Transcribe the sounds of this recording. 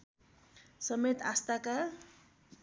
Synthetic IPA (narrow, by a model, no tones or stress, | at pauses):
sʌmet̪ast̪aka